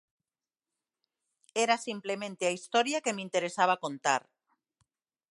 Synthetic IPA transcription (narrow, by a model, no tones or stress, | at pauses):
ɛɾasimplemẽnt̪eaist̪ɔɾjakemint̪eɾesaβ̞akont̪a̰ɾ